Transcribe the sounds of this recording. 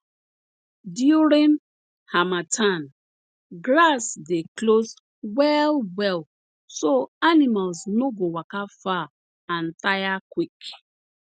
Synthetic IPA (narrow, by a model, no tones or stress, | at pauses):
djuɾĩn | hamatʰãn | ɡlasdeklos | wɛlwɛl | soanimalsnoɡowakafa | ãntajakwik